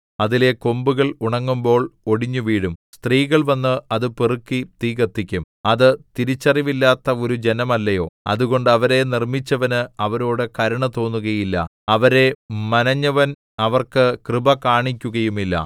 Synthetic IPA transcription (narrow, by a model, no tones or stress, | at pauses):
ɐðile̞ko̞mbuɣɐɭuɳɐŋːumbo̞ːɭo̞ɽiɲːuʋiːɽumst̪riːɣɐɭʋɐnːɨɐðɨperɨkːit̪iːɣɐt̪ːikʲːum | ɐðɨt̪iɾit͡ɕːɐriʋilːaːt̪ːɐo̞ɾud͡ʑe̞nɐmɐlːɐjo̞̰ːɐ̰ðuɣo̞ɳɖɨɐʋɐɾe̞nirmit͡ɕːɐʋɐnɨɐʋɐɾoːɽɨkɐɾɐɳɐt̪o̞ːnːuɣɐjilːɐ̰ | ɐʋɐɾe̞mɐnɐɲːɐʋɐn | ɐʋɐrkɨkrɨbɐkaːɳikʲːuɣɐjumilːɐ̰